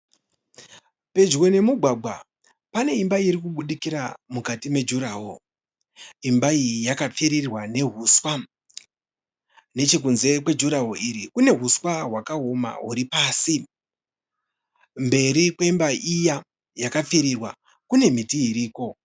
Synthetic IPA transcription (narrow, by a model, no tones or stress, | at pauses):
pe̞d͡ʒwe̞ne̞muɡʱwaɡʱwa̰ | pane̞imbaiɾikuɓuɗikiɾamukatime̞d͡ʒuɾaɦo̰ | imbaiijakap͡fiɾirwane̞ɦuswa | ne̞t͡ʃik̬unze̞kwe̞d͡ʒuɾaɦoʔiɾikune̞ɦuswaɦwakaɦoma̰ɦuɾipaːsi | mbe̞ɾikwe̞imbaʔija | jakap͡fiɾirwa | kune̞mitiiɾiːko̞